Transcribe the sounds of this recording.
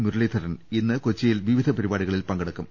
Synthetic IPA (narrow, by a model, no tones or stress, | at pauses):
muɾɐɭeːt̪ʰɐɾɐninːɨkot͡ɕːɐjilʋiʋid̪ʱɐpɐɾibaːɽiɣɐɭilpɐŋɡɐɽɐkːum